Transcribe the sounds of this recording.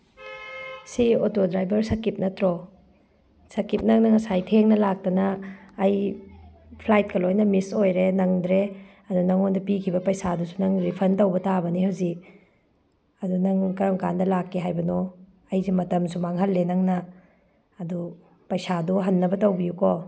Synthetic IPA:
siotodɾajbɐɾsɐkip̚nɐtɾo | sɐkip̚nɐŋnɐŋɐsajtʰeŋnɐlak̚tɐnɐːj | pʰlajt̚kɐlojnɐmisojɾenɐŋdɾe | ɐdunɐŋondɐpikʰibɐpɐjsadusunɐŋɾipʰɐntɐwbɐtabɐnihawzik̚ | ɐdunɐŋkɐjoŋkandɐlakːeɦajbɐnɔ | ɐjzemɐtɐmsumaŋɦɐlːenɐŋnɐː | du | pɐjsaduɦɐnːɐbɐtɐwbijukɔ

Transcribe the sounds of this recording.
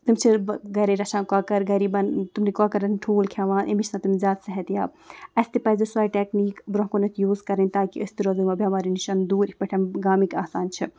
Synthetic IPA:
t̪ɨmʲt͡ʃʰibɡɐɾɐɾɐʃaːnkaːkɐɾɡɐɾiːbɐnt̪umnikaːkɐɾɐnʈʰuːlkʰjaːʋaːnʔemit͡ʃʰnat̪umzʲaːt̪sɐɦɛt̪jaːb | ɐst̪ipɐzɐswaːjʈekniːkbɾɐ̃ɦkonɐt̪ʰjuːzkɐɾɐnʲt̪aːkiɐsʲt̪iɾozɨmɐbʲiɐmaːɾiniʃɐnd̪uːɾpɐʈʰɐnɡaːmikaːsaːnt͡ʃʰi

